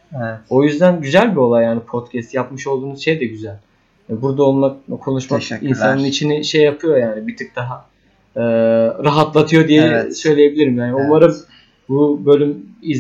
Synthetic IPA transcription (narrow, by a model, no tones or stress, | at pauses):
ɛɛo̞jyzd̪ænɟyzælʲbio̞lˠajːaːnipʰot̪cʰɛst̪japmɯʃo̞lˠd̪uːnuzʃe̞jd̪ɛɟyzælʲ | ɛbuɾd̪aolˠmakkʰo̞nuʃmakinsanɯnit͡ʃʰiniʃe̞jːapʰɯjo̞jaːnibit̪ʰɯk̚d̪aɦa | ɯːɾaɦat̪lˠat̪ʰɯjo̞d̪ijɛsø̞jlʲeje̞bilʲiɾimjaːniumaɾɯm | bubø̞lʲymiz